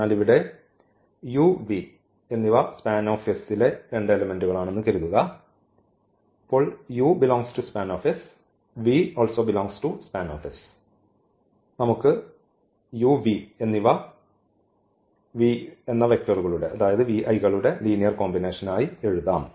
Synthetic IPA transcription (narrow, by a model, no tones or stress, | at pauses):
aːliʋiɽe̞ | juʋi | e̞nːiʋaspaːno̞ːfɐsile̞ɾe̞ɳɖelɐme̞nduɣɐɭaːɳe̞nːukɐɾuðuɣɐ | pːoːɭjubiloːŋstuspaːnoːfis | ʋio̞ːlsoːbiloːŋstuspaːnoːfis | nɐmukːɨ | juːʋienːiʋa | ʋienːɐʋe̞k̚tɐruɣɐɭuɽe̞ʔɐðaːjɐðɨʋiʔɐjɣɐɭuɽe̞liːnijɐrko̞ːmbine̞ːʂɐnaːjie̞ɻuðaːm